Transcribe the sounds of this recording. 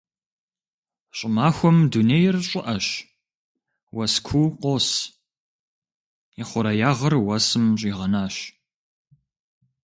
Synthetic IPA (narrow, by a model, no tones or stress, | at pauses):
ɕʼɪmaːxʷɔmdunejɪrɕʼɪʔɐɕ | wɐskʷʰuqʷoːs | iχʷʊɾɐjaːʁɐrwɐsɨmɕ̬ʼiːʁɐnaːɕ